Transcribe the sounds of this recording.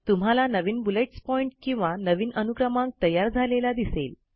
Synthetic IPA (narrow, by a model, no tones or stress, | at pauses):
t̪um̤alanəʋiːnbuleʈspɔiɳʈkĩw̃ʋanəʋiːnənuɡɾəmãŋk̚t̪əjaɾd͡zʱalelad̪isel